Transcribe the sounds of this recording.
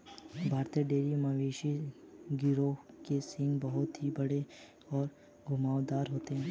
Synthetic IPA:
bʱaːɾt̪iəɖeːɾimaʋeːʃiɡɪɾo | kesɪ̃ŋɡbɐɦʊt̪ɦibɐɽe | ɔːɾ | ɡʱʊmaːʋd̪aːɾɦoːt̪eɦɛ̃ː

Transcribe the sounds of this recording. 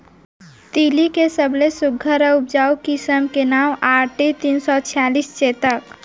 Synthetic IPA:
t̪ilikesəblesuɡʱːəɾəup̚d͡ʒaukisəmkenamaʈet̪insɔt͡ʃʰijalist͡ʃet̪ək

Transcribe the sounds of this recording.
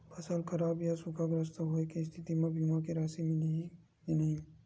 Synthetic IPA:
pʰɐsəlkʰəɾaːbjasʊkʰaɡɾɐst̪aɦoekist̪ʰɪt̪imẽbʱimakeɾaːsimɪli | nɐɦĩ

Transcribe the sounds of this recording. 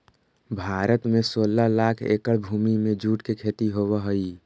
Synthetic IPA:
bʱaːɾət̪mesoːlalakʰḛkəɽbʱuːmimẽd͡ʒuːʈkekʰet̪iɦowəɦəi

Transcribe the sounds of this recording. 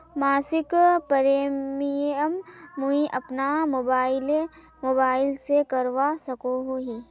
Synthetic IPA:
maːsɪkpəɾeːmiəmːuĩʔɐpnaobaɪle | moːbaːɪlsekɐɾʋasɐkoɦoɦiː

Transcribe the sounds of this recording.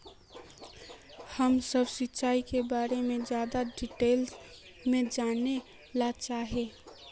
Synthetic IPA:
həmsəbsɪtːt͡ʃaːikebaːɾemẽd͡ʒjaːd̪aɖiʈeːls | mẽd͡ʒaːne | lat͡ʃaːɦeː

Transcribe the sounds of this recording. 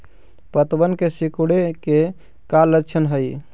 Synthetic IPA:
pət̪bənkesikuɽeke | kalətːt͡ʃʰənɦəj

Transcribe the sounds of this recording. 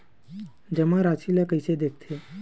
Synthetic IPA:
d͡ʑɛmaɾat͡siljakəjsed̪ek̚ʰt̪ʰe

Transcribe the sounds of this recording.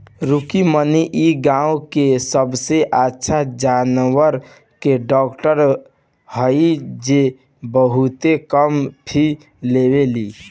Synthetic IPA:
ɾukiməniʔiɡãːũkesəbseʔatːʃʰad͡ʒanwəɾ | keɖɔːkʈəɾ | həid͡ʒe | bəɦut̪ekəmpʰi | leːweliː

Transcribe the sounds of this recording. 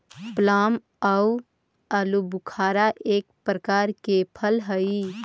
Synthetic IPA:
plaːm | ə | əlubʊkʰaːɾaʔeːk̚pɾəkaːɾkepʰəlɦəi

